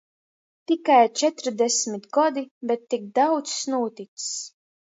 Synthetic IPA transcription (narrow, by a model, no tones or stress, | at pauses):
t̪ikajt͡ʃɛt̪ɾd̪ɛsmʲit̪ɡɔd̪ibɛt̪ːik̚d̪awt̪ssnuːt̪it̪s